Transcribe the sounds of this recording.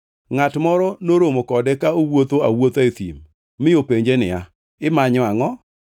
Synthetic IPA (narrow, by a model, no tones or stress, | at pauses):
ŋatmɔɾɔnoɾomokɔdɛkaowot̪oawot̪et̪ḭmː | ɪjopeɲd͡ʒenɪ̰a | ɪmaɲɔaŋɔ